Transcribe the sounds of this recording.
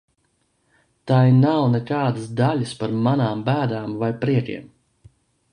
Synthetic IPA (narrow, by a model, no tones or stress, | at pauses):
t̪ajnawnɛkaːd̪ɨsd̪aʎɨspaɾmanaːmbæːd̪aːmvajpɾiɛkʲḭɛm